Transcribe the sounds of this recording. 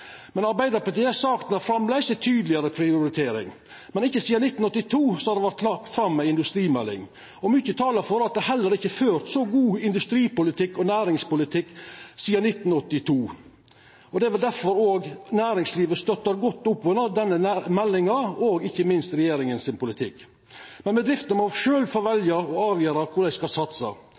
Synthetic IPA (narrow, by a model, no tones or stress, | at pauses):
mɛnɑɾbæɪd̪əɾpɑɾt̪ɪːɛsɑːkt̪nəfɾɑmblæsət̪ʰyːd̪lɪəɾəpʰɾɪʊʊɾɪt̪ʰeːɾɪ̰ŋ | mɛnɪçːəsiːɑnɪt̪ːnɔt̪ːɪt̪ʰuːsɔhɑɾd̪ɛʋæɾt̪ʰlɑʈfɾɑmːɛɪnd̪ʉst̪ɾiːmɛlːɪ̰ŋ | ɔmʉçət̪ʰɑːləɾfɔɾɑt̪̚d̪ɛæhɛlːəɾɪçːəføːɾt̪sɔɡuːɪnd̪ʉst̪ɾiːpʊlɪt̪ʰɪkːɔnæːɾɪŋspʊlɪt̪ʰɪkːsiːɑnɪt̪ːnɔt̪ːɪt̪ʰuː | ɔd̪ɛɛʋɛld̪æɾfɔɾoːɡnæːɾɪŋsliːʋəst̪œt̪ːəɾɡɔt̪ːʊpːʋʉnəd̪ɛnːəmɛlːɪŋɑoːɡɪçːəmɪnst̪ɾɛjeːɾɪŋənsɪnpʊlɪt̪ʰɪkː | mɛnbɛd̪ɾɪft̪ənmɔʃøːlfɔɾʋɛljɑɔɑːʋjøːɾɑkʰʊɖ̪æɪskɑsɑt̪sɑ̰